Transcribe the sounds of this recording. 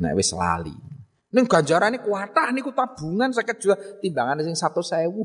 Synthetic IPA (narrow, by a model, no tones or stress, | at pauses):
na̰wɪsəla̰lḭ | nɪŋɡ̥a̤ɲd͡ʒaɾanikuat̪ahnikut̪ab̥ṳŋans̬akɛt̪̚d͡ʒ̥uwat̪imbaŋanesɪŋsat̪osaɛwu